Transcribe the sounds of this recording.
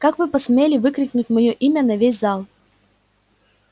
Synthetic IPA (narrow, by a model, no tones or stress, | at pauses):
kakvɨpɐsmʲelʲɪvɨkɾʲɪknʲʊtʲmɐjoʔimʲənɐvʲes̬ʲzalˠ